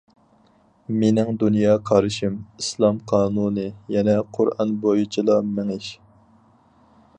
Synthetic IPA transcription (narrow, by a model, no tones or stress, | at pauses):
menɪŋd̪unjɑːkʰɑɾɨʃimislˠɑmqʰɑːnunɨjɛnɛqʰʊɾɑ̰nbojut͡ʃʰilˠɑmɛŋɪʃ